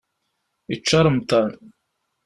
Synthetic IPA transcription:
it͡ʃːɑɾˤmt̪ˤɑn

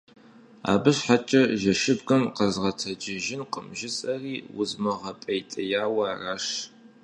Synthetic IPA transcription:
a̰ːbɨɕħat͡ʃʼɐʒɐʃɪbɡɐmqɐzʁɐtʰɐd͡ʒɪʒɪnqə̰mʒɪsʼɐriːwʊ̰zmɐʁɐpʼɐjtʼɐjaːwɐraʂ

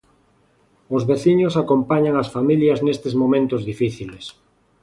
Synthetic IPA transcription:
ʊzβeθiɲosakompaɲaŋasfamiljɐznest̪ezmõmẽnt̪ʊzðifiθiles

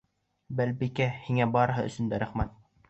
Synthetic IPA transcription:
bælbikæhiŋæbɑɾɤ̆ɦɤ̰ɵ̰̆sɵ̆nd̪æɾæχmæt̪̚

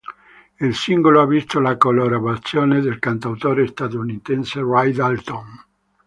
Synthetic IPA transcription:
ilsiŋɡoloavist̪olakoloɾabat̪sjoːned̪elkant̪awt̪oːɾest̪at̪ounit̪ɛnserajd̪alt̪on

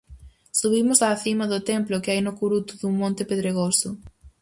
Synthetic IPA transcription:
suβimʊsaːθimɐðʊt̪ɛmplʊkɪajnʊkuɾut̪ʊðuŋmõnt̪ɪpeðɾeɣ̞osʊ

